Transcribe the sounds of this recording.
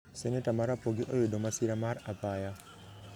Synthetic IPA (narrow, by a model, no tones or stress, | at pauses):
senetamaɾapoɡiʔojodomasiɾamaɾapaja